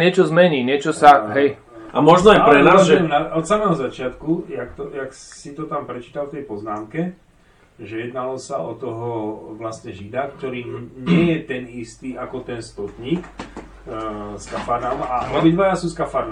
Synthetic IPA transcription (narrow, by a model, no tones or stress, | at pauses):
ɲɪɛt͡ʃɔzmɛɲiːɲɪɛt͡ʃɔsaɦɛj | ʔamɔʒnɔajpɾɛnaːzʒɛɛmnaɔt̪samɛɦɔzat͡ʃɪat̪kujakt̪ɔjak | sit̪ɔt̪ampɾɛt͡ʃiːt̪alft̪ɛjpɔznaːmkɛ | ʒɛjɛd̪nalɔsaɔt̪ɔɦɔʋlast̪ɲɛʒid̪akt̪ɔɾiːɲɪɛjɛt̪ɛnist̪iːakɔt̪ɛnst̪ɔt̪ɲiːk | skafaɾnamaɾɔbid̪ʋajasuskafaɾn